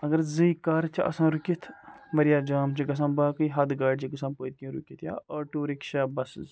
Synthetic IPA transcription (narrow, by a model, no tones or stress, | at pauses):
ɐɡɐɾzɐjkaːɾt͡ʃiʔɐ̰sãːɾukʲit̪ʰmɐɾijaːd͡ʒaːmt͡ʃiɡɐs̬ãːbaːkɨjɦɐd̪ɡaːɖt͡ʃiɡɐs̬ãːpoːjt̪ijũɾukʲit̪ʰja̰ːɐʈuːɾikʃaːbɐsz